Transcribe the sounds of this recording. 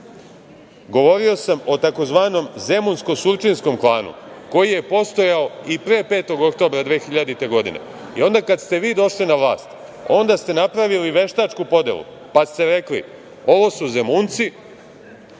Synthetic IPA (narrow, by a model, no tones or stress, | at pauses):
ɡo̞ʋo̞ɾio̞samo̞t̪ako̞zʋaːno̞mze̞munsko̞suɾt͡ʃinsko̞mklˠaːnṵko̞jije̞po̞st̪o̞jao̞ipɾe̞ːpe̞ːt̪o̞ɡo̞kt̪o̞bɾad̪ʋeːxiʎad̪it̪e̞ɡo̞d̪ḭnḛ | io̞nd̪akad̪st̪e̞ʋiːd̪o̞ʃlinaʋlaːst̪ | o̞nd̪ast̪e̞napɾaʋiliʋe̞ʃt̪at͡ʃkupo̞d̪e̞̰lˠṵ | past̪e̞ɾe̞klḭ | o̞ʋo̞suze̞muːnt̪si